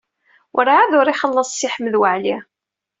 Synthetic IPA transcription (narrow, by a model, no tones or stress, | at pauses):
wʔəɾaaðʊɾˤiχəlˤːəsˤːiħmːðwəʕli